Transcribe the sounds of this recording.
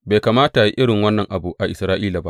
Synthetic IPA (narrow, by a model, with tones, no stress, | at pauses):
beː˨jkaː˨maː˦ta˨ji˦ʔɪ˦ɽɪ˨ŋwɐ˦nːɐ˨ŋʔa˨bu˨ʔa˨ʔɪ˨sɾaː˦ʔiː˦laː˨ba˦